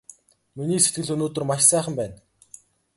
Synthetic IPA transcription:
miniːset̪ɡɘ̆ɮɵnoːt̪ɵ̆rmaʃsæːχə̆mpæːn

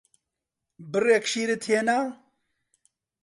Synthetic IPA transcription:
bɨrekʃiːɾɨt̪ʰeːna

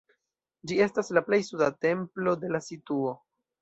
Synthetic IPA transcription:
d͡ʒie̞staslaple̞jsudate̞mplo̞de̞lasituo̞

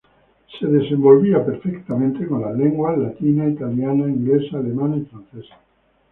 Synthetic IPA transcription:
seðesembo̞lβiapeɾfekt̪amẽnt̪ekonlaleŋɡwalat̪inait̪aljanaiŋɡlesaːlemanaifɾan̟θesḁ

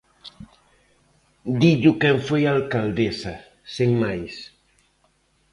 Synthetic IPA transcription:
d̪iʎʊkɛɱfojalkald̪esa | seŋmajs

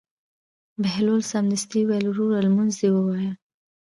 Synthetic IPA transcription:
bɪhlolsamnɪst̪iwalɾuɾalmunzd̪ewəwɑja

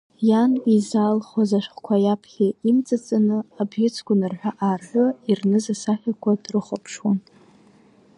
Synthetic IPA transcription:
janizaːlχazaʃʷχkʷʰajapʰχʲiimt͡sʼat͡sʼanɨabʒɪt͡sʰɡʷʊnɨrħʷᶣaʔarħʷʊirnɨzasaħʲᶣakʷʰadrɨχʷapʰʂwan

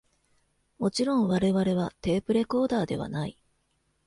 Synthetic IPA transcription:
mo̞t͡ɕiɾõ̞ɰ̃βaɾe̞βaɾe̞βat̪e̞ːpɯ̟ɾe̞ko̞ːd̪aːd̪e̞βa̰nai

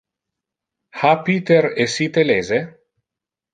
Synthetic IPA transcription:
hapit̪eɾesit̪eleːze

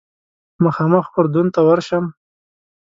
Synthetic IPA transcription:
məxɑːməxpʊɾd̪unt̪awaɾʃəm

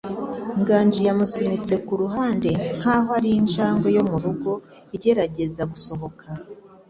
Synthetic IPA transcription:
ŋɡaːɲd͡ʒijamusunit͡se̞kuɾuɦaːnde̞n̥haːɦoaɾiinʃaːŋɡo̞jo̞muɾuɡo̞ | iɟe̞ɾaɟe̞zaɡuso̞ɦo̞kʰa

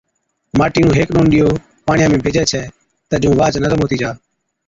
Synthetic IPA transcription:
maːʈiːũːɦeːknoːnɗɪjoː | paːɳɪjãːmẽːbʱɪd͡ʒɛːt͡ʃʰɛː | t̪əd͡ʒũːʋaːt͡ʃnəzəmɦoːt̪iːd͡ʒaː

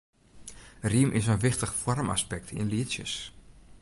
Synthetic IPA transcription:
rimʔɪsənʋɪxtəχfɔrma̰spɛk̚tʰɪ̰nliəsjə̰s

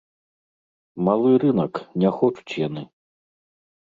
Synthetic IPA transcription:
malˠɨrɨnɐknʲɛxɔt͡ʂu̥t͡sʲjanɨ

